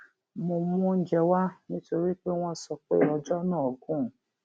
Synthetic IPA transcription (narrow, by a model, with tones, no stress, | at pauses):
mo˧mũ˧n̩˦d͡ʒɛ˧wa˦nĩ˦to˧ɾi˦k͡pe˦w̃ɔ̃˧sɔ˧k͡pe˦ɔ˧d͡ʒɔ˦nãː˦ɔ˨ɡũ˦˨